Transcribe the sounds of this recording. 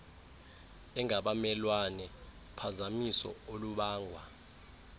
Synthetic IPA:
ɛŋaɓamɛlwanɛ | pʰazamisɔ̰oluɓaːŋʱwa

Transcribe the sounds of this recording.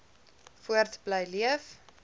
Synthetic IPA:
fuərtbləjliəf

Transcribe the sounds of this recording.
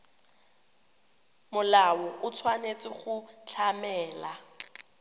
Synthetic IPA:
mʊlawɔʔʊt͡sʰwanet͡sʼɪχʊt͡ɬʰamɛːla

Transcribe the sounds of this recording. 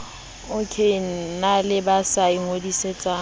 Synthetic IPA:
ʊkʰein̩nalɪbasaiŋodiset͡sʼa

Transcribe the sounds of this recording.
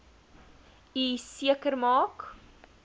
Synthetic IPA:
isiəkərmɑːk

